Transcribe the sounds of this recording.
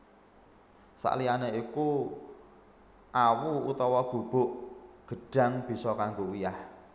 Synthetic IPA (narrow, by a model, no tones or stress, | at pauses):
sa̰ʔlianeiku | ʔawuut̪ɔwɔb̥ṳb̥o̤ʔɡ̥ə̤ɖ̥a̤ŋb̥i̤sɔkaŋɡowujah